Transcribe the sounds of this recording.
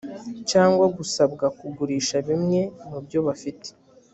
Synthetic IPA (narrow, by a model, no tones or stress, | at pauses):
caːŋɡwaɡusabɡakuɡuɾiːʃaβimŋe̞mubjo̞βafite̥